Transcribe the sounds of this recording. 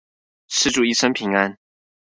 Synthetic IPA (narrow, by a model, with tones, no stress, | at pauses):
ʂɻ̩˥˧ʈ͡ʂu˥˨˩i˥˩ʂə˥npʰi˧˥ŋa˦n